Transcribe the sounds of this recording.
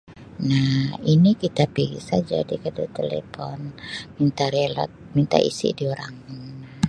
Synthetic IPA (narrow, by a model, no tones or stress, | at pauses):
nahinikit̪apiɡḭsad͡ʒa̰dikadut̪elḛfɔnmint̪aɾelɔ̰t̪̚mint̪a̰ʔḭsḭdioɾaŋn